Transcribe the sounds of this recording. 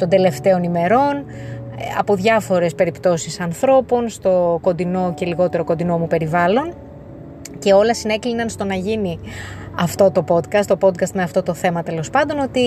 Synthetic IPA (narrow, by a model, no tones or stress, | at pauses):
t̪o̞nd̪e̞le̞ft̪e̞o̞nime̞ɾo̞n | ɐ̰po̞ðʝɐfo̞ɾe̞spe̞ɾipt̪o̞sisɐnθɾo̞po̞nst̪o̞ko̞nd̪ino̞ce̞liɣo̞t̪e̞ɾo̞ko̞nd̪ino̞mupe̞ɾivɐlo̞n | ce̞o̞lɐsine̞klinɐnst̪o̞nɐʝini | ɐft̪o̞t̪o̞po̞d̪kɐst̪o̞po̞d̪̚kɐst̪meɐft̪o̞t̪o̞θe̞mɐt̪e̞lo̞spɐnd̪o̞no̞t̪i